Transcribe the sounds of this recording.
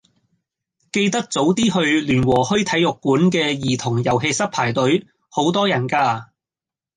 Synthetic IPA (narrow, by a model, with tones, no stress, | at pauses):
ke˧jt̪ɐ˥k̚t͡so˨˥wt̪iː˥hɵ˧ɥlyː˨˩nwɔː˨˩hɵ˥ɥt̪ʰɐ˨˥jʊ˨kːuː˨˥nk̬ɛː˧jiː˨˩t̪ʰʊ˨˩ŋjɐ˨˩wɦe˧sɐ˥t̚pʰaː˨˩jt̪ɵ˨˥ɥ | ho˨˥wt̪ɔː˥jɐ˨˩nkaː˧